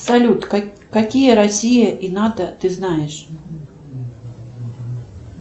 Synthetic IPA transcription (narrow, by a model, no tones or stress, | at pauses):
salʲut̪ | kakʲijɐɾasʲijɐʔinad̪ɐt̪ɨznajɛʂ